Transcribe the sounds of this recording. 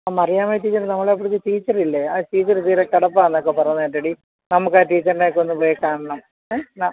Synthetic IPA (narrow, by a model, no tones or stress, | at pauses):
amɐrijaːmeːʈ̬iːt͡ɕːɐrnɐmːɐɭepːoɽikːɨʈiːt͡ɕːɐrilːeaːʈiːt͡ɕːɐɾt̪iːɾek̪ɐɽɐpːaːenːok̬ːepɐrɐjunːeʈːeɽi | nɐmukːaːʈiːt͡ɕːɐɾinekːonːupoːjikaːɳɐɳɐm | na